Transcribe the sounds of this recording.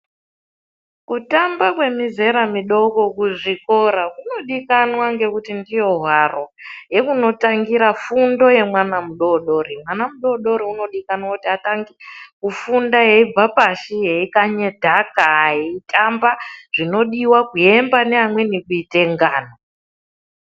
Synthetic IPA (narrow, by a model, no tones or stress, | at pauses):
kutambakwe̞mize̞ɾamiɗo̞ko̞kuʐiko̞ɾakuno̞ɗikanwaŋɡe̞kutindijo̞ɦwaro̞je̞kuno̞taŋɡiɾafundo̞je̞mwanamuɗo̞ɗo̞ɾimwanamuɗo̞ɗo̞ɾiuno̞ɗikanwakutiataŋɡikufundaje̞ib͡vapaʃije̞ikaɲe̞dʱakajeitʰʼambaʐ̥ino̞ɗiwakue̞mbaneamwe̞nikuite̞ŋɡaːno